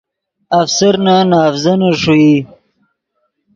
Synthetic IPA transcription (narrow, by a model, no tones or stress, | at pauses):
afsaɾnanɑːfzanaʂui